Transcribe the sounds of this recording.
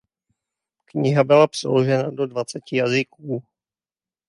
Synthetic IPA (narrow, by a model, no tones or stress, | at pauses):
kɲɪɦabɪlapr̥ɛ̰loʒɛnado̞dvat͡sɛcɪjazɪkuː